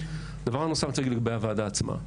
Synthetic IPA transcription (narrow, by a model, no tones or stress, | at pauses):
d̪avaʁanosamt͡seɡiliɡabejavaːd̪aːt͡sma̰